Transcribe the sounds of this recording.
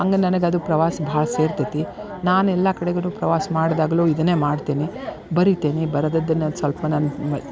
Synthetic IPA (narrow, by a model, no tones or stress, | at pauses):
ɐŋɡenɐnɐɡeɐd̪upɾɐʋaːsɐbʱaːɭɐse̞ːɾt̪it̪i | naːnɛlːakɐɽɛɡɐnuːpɾɐʋaːsɐmaːɽd̪aːɡɐluːid̪ɐne̞ːmaːɽt̪eːni | bɐɾit̪eːnibɐɾɐd̪ɐd̪ːɐnːɐsʋɐlpɐnaːn